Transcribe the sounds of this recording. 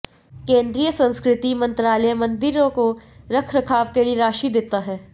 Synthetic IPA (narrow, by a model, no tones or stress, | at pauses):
kẽːnd̪ɾijəsɐ̃nskɾɪt̪imɐ̃nt̪ɾaːləjmɐ̃nd̪ɪɾõkoɾɐkʰɾɐkʰaːʋkelieɾaːʃid̪eːt̪aɦɛː